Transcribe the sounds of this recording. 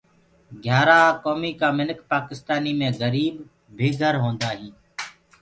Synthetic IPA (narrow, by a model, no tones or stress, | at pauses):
ɡʱjaːɾaːkoːmiːkaːmɪnkpaːkɪst̪aːniːmẽːɣəɾiːb | bʱeːɡʱəɾɦõːnd̪aːɦĩː